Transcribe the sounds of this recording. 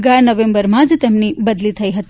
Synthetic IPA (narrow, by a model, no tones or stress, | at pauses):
ɡanəʋẽmbəɾmãd͡ʒt̪emnibəd̪lit̪ʰəiɦət̪